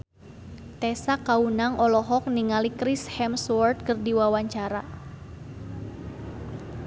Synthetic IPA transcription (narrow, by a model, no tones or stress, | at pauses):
t̪ɛsakaunaŋʔɔlɔɦɔk̚niŋalikɾishɛmswɔrt̪̚kərdiwawaɲt͡ʃaɾa